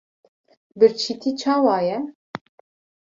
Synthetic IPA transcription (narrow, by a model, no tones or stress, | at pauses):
bɨɾt͡ʃʰiːt̪ʰiːt͡ʃʰɑːwɑːjɛ